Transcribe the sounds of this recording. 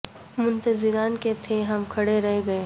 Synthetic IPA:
mʊ̃nt̪əzɪɾaːnket̪ʰeɦɐmkʰɐɽeɾɛɦeɡɐeː

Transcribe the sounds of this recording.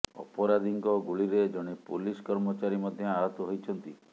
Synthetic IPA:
ɔ̰pɔɾad̪ʱiŋkɔɡuɭiɾed͡ʒɔɽ̃epuliskɔɾmɔt͡ʃaɾimɔd̪ʱjɔaɾɔt̪ɔɦojt͡ʃʰɔnt̪i

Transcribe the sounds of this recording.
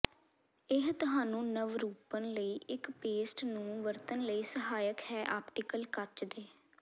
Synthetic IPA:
ɪɦt̪ʊɦaːnũːnəʋɾuːpənləiːɪkpeːsʈnũːʋəɾt̪ənləiːsəɦaːjəkhɛːʔaːpʈɪkəlkət͡ʃd̪eː

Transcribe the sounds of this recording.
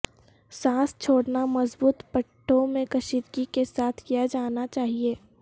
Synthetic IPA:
sãːst͡ʃʰoːɽnamɐzbuːt̪pəʈʰːõmẽkɐʃiːd̪ɡikesaːt̪ʰkijad͡ʒaːnat͡ʃaːɦieː

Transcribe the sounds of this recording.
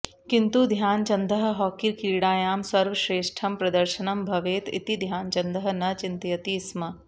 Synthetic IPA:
kint̪ud̪ʱjaːnt͡ʃɐnd̪ʱɐɦɐ̆ɦɔːkiɾkiɾiɽaːjaːmsɐɾʋɐʃɾeːʃʈʰɐmpɾɐd̪ɐɾʃɐnɐmbʱɐʋeːt̪ḭt̪id̪ʱjaːnt͡ʃɐnd̪ʱɐɦɐ̆nɐt͡ʃɪnt̪jɐt̪iːsmɐ

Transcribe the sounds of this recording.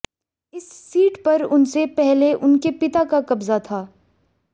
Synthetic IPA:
ɪsːiːʈpɐɾʊnsepɛɦleʔʊnkepɪt̪akakɐbzat̪ʰaː

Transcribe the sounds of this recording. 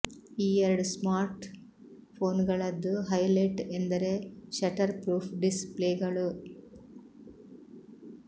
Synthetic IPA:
iːɐɾɐɖsmaːɾʈ | pʰo̞ːnɡɐɭɐd̪ːuɦɐjleʈend̪ɐɾe̞ʃɐʈɐɾpɾuːpʰɖispleːɡɐɭu

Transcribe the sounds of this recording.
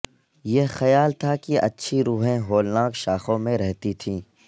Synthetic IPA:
jexɐjaːlt̪ʰakiʔɐ̰tːʃʰiɾuːɦẽɦoːlnaːkʃaːxõmẽɾɛɦt̪it̪ʰĩː

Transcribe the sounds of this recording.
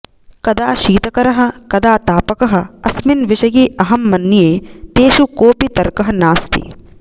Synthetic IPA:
kɐd̪aːʃiːt̪ɐkɐɾɐɦɐ̆kɐd̪aːt̪aːpɐkɐɦɐ̆ɐsminʋiʃɐjiːʔɐɦɐmːɐnːjeːt̪eːʃukoːpit̪ɐɾkɐɦɐ̆naːst̪ḭ

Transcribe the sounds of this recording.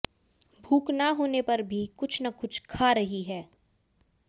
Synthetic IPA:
bʱuːknaɦoːnepɐɾbʱikʊt͡ʃʰnɐkʊt͡ʃʰkʰaːɾɐɦiɦɛː

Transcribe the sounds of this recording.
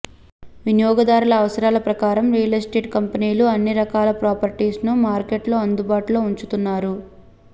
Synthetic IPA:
ʋinjɔːɡɐd̪aːɾulɐːʋɐsɐɾaːlɐpɾɐkaːɾɐmɾijɐlɐsʈeːʈkɐmpɐniːluɐnːiɾɐkaːlɐpɾaːpɐɾʈiːsnumaːɾkeʈloːɐnd̪ubaːʈuloːuɲt͡ʃut̪unːaːɾu

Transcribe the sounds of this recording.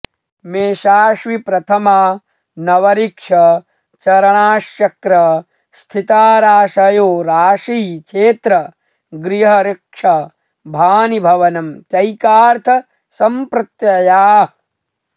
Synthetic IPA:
meːʃaːʃʋipɾɐt̪ʰɐmaː | nɐʋɐɾikʂɐ | t͡ʃɐɾɐɳaːʃjɐkɾɐ | st̪ʰit̪aːɾaːʃɐjoːɾaːʃiːt͡ʃʰeːt̪ɾɐ | ɡɾiɦɐɾɪkʂɐ | bʱaːnibʱɐʋɐnɐmt͡ʃɐjkaːɾt̪ʰɐ | sɐmpɾɨt̪jɐjaː

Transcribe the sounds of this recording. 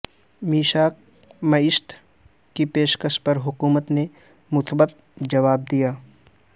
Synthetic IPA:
miːʃaːk | mɐɪʃt̪ | kipeːʃkəʃpɐɾɦʊkuːmət̪ne | mʊsbət̪̚ | d͡ʒɐʋaːb̚d̪ijaː

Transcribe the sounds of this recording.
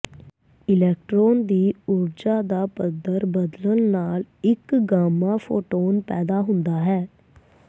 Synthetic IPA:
ɪlɛːk̚ʈɾoːnd̪iːʊɾd͡ʒaːd̪aːpəd̪əɾbəd̪lənnaːlɪkɡaːmãːfʰoːʈoːnpɛːd̪aːɦʊnd̪aːɦɛː

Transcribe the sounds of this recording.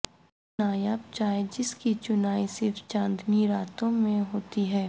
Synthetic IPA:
aːjaːb̚t͡ʃaːed͡ʒɪskit͡ʃʊnaːisɪɾft͡ʃãːnd̪ʱniɾaːt̪õmẽɦoːt̪iɦɛː

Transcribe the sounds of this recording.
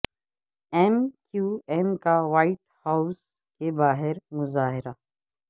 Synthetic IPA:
ɛmkjuːɛmkaʋaːɪʈhaːʊs | kebaːɦɪɾmʊzaːɦɪɾa

